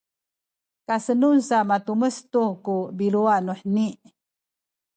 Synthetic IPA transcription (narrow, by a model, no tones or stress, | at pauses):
kasənunsamat̪uməst̪ukubiluanuħniʔ